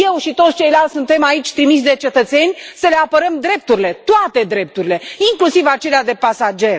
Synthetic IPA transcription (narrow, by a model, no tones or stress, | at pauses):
je̞wʃit̪ot̪sʲt͡ʃe̞jlalt̪ʲsunt̪e̞mait͡ʃʲt̪ɾimis̬d̪e̞t͡ʃe̞t̪ət̪se̞nʲsəle̞apəɾəmd̪ɾe̞p̚t̪uɾile̞t̪oat̪e̞d̪ɾe̞p̚t̪uɾile̞iŋklusivat͡ʃe̞lead̪e̞pasad͡ʒe̞r